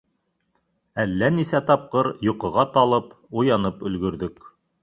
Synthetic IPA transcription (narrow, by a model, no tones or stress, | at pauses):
ælːænisæt̪ɑp̚qɤɾjŏqɤ̆ʁɑt̪ɑlˠɤp | ujɑnɤpɵ̆lɡɵ̆ɾðɵk